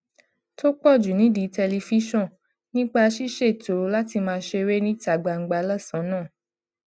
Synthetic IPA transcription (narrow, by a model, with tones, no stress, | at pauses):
to˦k͡pɔ˦˨d͡ʒu˨nĩ˨˦di˨˦tɛ˧li˧fi˦ʃɔ̃˦˨ | nĩ˦k͡pa˧ʃi˦ʃe˦˨to˨˦la˦ti˧mãː˧ʃe˧ɾe˦nĩ˦ta˨ɡ͡ba˧˨ŋ̩˦ɡ͡ba˧la˦˨sã˨˦nãː˦˨